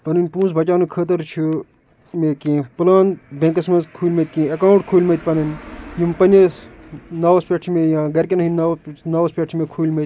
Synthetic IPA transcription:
pɐnɨnʲpũːsbɐt͡ʃaːnukʰəːt̪ɐɾt͡ʃʰi | meːkẽːpɨlaːnbẽːŋkɐsmɐnzkʰuːlʲmɐt̪̚ʲkẽːɐkaːuɳʈkʰuːlʲmɐt̪̚ʲpɐnɨnʲjimpɐnʲɐ | naːʋɐspʲeːʈʰimejãːɡɐɾkʲenɐɦinnanaːʋɐspʲeːʈʰimeːkʰuːlʲmet̪ʲ

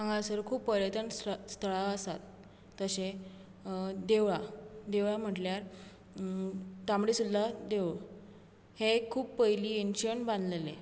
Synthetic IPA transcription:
ãŋɡãsəɾkʰuːppəɾjət̪ənst̪ʰəɭaəsa̰t̪ː | əɕẽ | d̪eʋɭad̪eʋɭam̤əʈljaɾ | t̪amɽisud̪ad̪eʋ | hekʰuːppəɦjliːenɕənbãnd̪lele

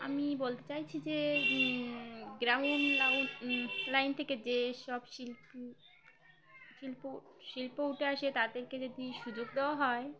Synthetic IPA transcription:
amibolt̪et͡ɕajt͡ɕʰid͡ʑe | ɡɾamonla | lajnt̪ʰeked͡ʑeʃɔbʃilp | ʃilpo | ʃilpouʈʰeaʃet̪ad̪eɾked͡ʑod̪iʃud͡ʑoɡ̚d̪eoaɦɔe

